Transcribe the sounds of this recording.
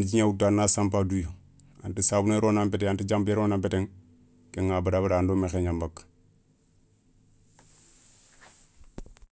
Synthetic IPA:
d͡ʒiɲawutːanːasampadujo | antisabuneɾonampeteantid͡ʒampeɾonampeteŋ | keŋːabadabadaːndoːmexeɲambak

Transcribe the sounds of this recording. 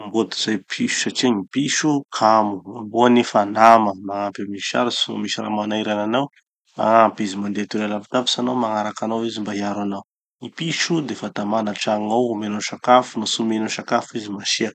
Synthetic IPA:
mbod̪iz̥ajpʰiʃu̥saʈ͡ʂiŋipiʃukʰamuamboanifanaməmaampʲamiʃa̰ɾisumisiɾa̰manaiɾananaw | ma̰ŋampizimand̪et̪uɾalapit̪api̥sanawmaŋaɾakanawizimbaiaɾanaw | ŋipiʃud̪efat̪amanaʈ͡ʂaŋawmenoʃakafunusumenoʃakafizimaʃiak

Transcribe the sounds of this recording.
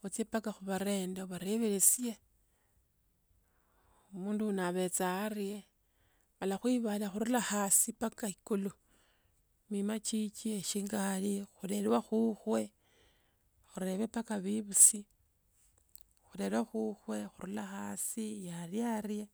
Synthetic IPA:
ut͡sjepakaxuβaɾe̞ːndeβaɾeβeɾesje | omuːndunaβe̞t͡sarje | malaxwiβalaxuɾulaxaːsipakaikulu | mimat͡ʃit͡ʃeʃiŋɡalixule̞lwaxuxwe̞ | xuɾe̞βe̞pakaβiβusi | xuɾe̞ɾwaxuxwe̞xuɾulaxasijarjaɾje

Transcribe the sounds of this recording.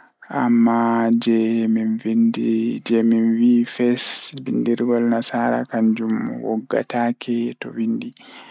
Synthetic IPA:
ʔamːad͡ʒɛminvindid͡ʒɛminwifɛsbindiɾɡɔlnasaːɾa̰kaɲd͡ʒumwɔ̰ɡːa̰taːkʰɛtɔwindi

